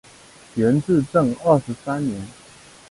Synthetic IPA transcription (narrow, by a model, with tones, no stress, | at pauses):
ɥɛ˨˧˦nt͡sɹ̩˥˧ʈ͡ʂə˥˨ŋə˥˩ʂɻ̩˨˧˥sa˦nnjɛ˨˦n